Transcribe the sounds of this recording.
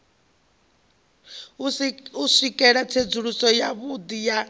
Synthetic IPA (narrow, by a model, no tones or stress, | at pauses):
usikʼɛɺat͡sʰed͡zuɺusɔjaβud̪ija